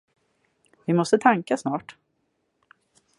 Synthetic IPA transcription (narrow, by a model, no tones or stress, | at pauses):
vɪmɔst̪ət̪ʰaŋkasnɑːʈ